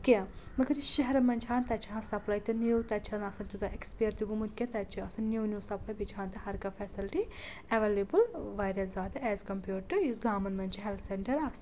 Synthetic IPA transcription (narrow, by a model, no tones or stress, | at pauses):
kʲɐ̃mɐɡɐɾiʃɛɦɾɐmɐnʲt͡ʃʰɦaːnt̪ɐt͡ʃʰiɦãsɐplɐːjt̪ɨniwt̪ɐt͡ʃʰɐnasɐnt̪ut̪ɐʔekspijɐɾt̪iɡumɐnt̪̚kʲẽt̪ɐt͡ʃʰiɐsɐnniwnjuːsɐpʰlaːjbit͡ʃʰhaːnt̪ɨɦɐɾkɐfɛsilʈi | ɐʋeːlebɨlʋaːjɾjɐszaːd̪ɐɛːzkɐmpjuːʈɨjisɡaːmɐnmɐnt͡ʃʰiɦelt̪ʰseɳʈɐɾaːs